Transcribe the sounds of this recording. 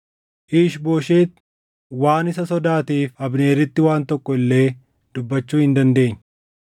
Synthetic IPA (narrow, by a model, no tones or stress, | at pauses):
ʔiːʃboːʃeːt̪ | waːnɪsɐsɔd̪aːt̪iːfɐbne̞ːɾːɪt̪ːɪwaːnt̪ɔkːɔɪlːe̞ː | d̪ʊbːɐt͡ʃːuːhɪnd̪ɐnd̪e̞ːɲː